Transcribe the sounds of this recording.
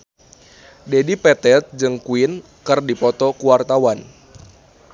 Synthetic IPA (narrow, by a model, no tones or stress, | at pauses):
dɛdipɛt̪ɛt̪̚d͡ʒɨŋkuɪn | kɨrdipɔt̪ɔkuwart̪awan